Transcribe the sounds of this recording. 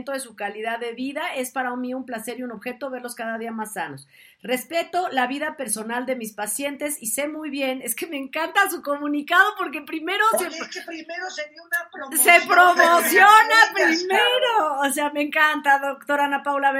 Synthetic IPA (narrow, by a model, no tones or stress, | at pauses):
nt̪o̞ðe̞sukaliðaðːe̞βiðae̞spaɾaumiumplase̞ɾiuno̞βxe̞t̪o̞βe̞ɾlo̞skaðaðiamasːano̞s | re̞spe̞t̪o̞laβiðape̞ɾso̞nald̪e̞mispasje̞nt̪e̞sise̞mujβje̞ne̞ske̞me̞ŋkant̪asuko̞mũnikað̞o̞po̞ɾkepɾime̞ɾo̞seeɾoe | nase̞pɾomosjonapɾimeɾoːseame̞ŋkant̪aðokt̪o̞ɾanapawlaβe